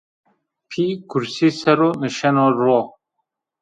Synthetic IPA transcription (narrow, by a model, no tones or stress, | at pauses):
pʰikʰuɾsiːsɛɾoːnɨʃɛnoːɾoː